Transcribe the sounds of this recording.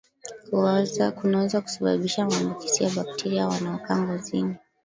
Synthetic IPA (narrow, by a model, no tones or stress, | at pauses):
kkunawɛzaku̥saɓa̰ɓiʃamambukisiaɓak̚tʰɛɾiawanaɔkaŋɡɔzini